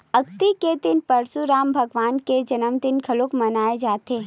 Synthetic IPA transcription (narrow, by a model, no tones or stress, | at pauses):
ɐk̚t̪iked̪ɪnpɐɾsuɾaːmbʱɐɡʋaːnked͡ʒɐnəmd̪ɪnkʰɐlokmɐnaːed͡ʒaːt̪eː